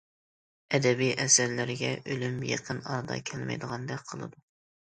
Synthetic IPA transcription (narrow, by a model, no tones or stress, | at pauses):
ɛd̪ɛbijʔɛsæɾlɪɾɪɡʲɛʔølymjḛqʰənɑ̰ɾd̪ɑ̰kʲʰɛlmɛ̰jd̪əʁɑnd̪ɛk̚qʰəlˠɨ̰d̪u